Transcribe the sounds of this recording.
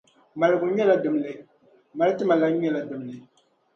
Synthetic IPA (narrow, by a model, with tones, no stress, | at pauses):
ma˨lɨ˨ɡʊ˨˦ɲɛ˦la˦dɨ˨mlɨ˨ | ma˨lɨ˦tɨ˦ma˨la˦ɲɛ˦la˦dɨ˨mlɨ˨